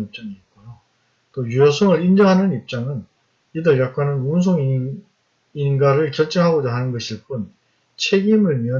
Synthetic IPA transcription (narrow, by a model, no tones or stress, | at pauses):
nip̚t͡ɕ͈aŋiːt̚k͈ojo | t͈ojujʌsʰʌŋɯɾind͡ʑʌŋɦanɯnip̚t͡ɕ͈aŋɯn | idɯɭjak͈wanɯnuns̬ʰoŋ | inɡaɾɯɭkjʌɭt͡ɕ͈eŋɦaɡod͡ʑaɦanɯnɡʌɕʰiɭp͈un | t͡ɕʰe̞ɡimɯɭmiʌ